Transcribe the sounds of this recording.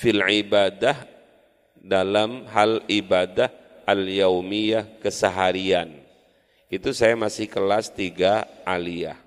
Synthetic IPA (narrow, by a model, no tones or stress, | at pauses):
filʕibadah | dalamɦalibadah | ʔaljawmijahkəsəɦaɾian | it̪usajamasɪhkəlast̪iɡaʔalia̰h